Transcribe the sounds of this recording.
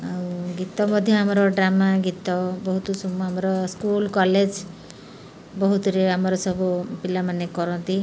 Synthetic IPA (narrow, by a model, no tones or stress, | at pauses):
awɡit̪ɔmɔd̪ʱjɔamɔɾɔɖɾamaɡit̪ɔbɔɦut̪ɔsɔmɔamɔɾɔskulkɔled͡ʒ | bɔɦut̪ɔɾeamɔɾɔsɔbupilamanekɔɾɔnt̪i